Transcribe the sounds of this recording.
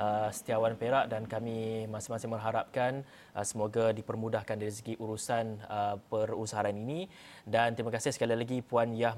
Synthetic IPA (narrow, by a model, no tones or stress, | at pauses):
ʔəsə̥t̪iawanpeɾaʔdankamĩmasɪmasɪmərɦaɾap̚kan | ʔəsəmoɡadipərmũdahkandaɾis̬əɡiʔuɾusanəpərusaɦaːninĩ | dant̪ɾimakasɪhsəkalilaɡipuanja